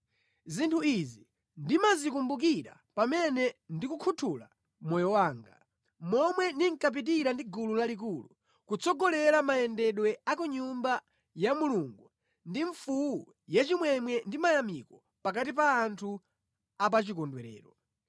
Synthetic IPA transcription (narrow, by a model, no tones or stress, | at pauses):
zintʰuizi | ndimazikumbuk̬iɾa̰ | pamɛnɛndikukʰutʰula̰ | mɔjɔwaːŋɡa̰ | mɔmwɛniŋkap̬it̬iɾandiɡululalik̬ulṵ | kut͡sɔɡɔlɛɾamajɛndɛɗwɛakuɲumba | jamuluŋɡu | ndiɱfuu | jat͡ʃimwɛmwɛndimajamikɔ | pak̬atip̬aːntʰu | ap̬at͡ʃikɔndwɛɾɛ̰ːɾɔ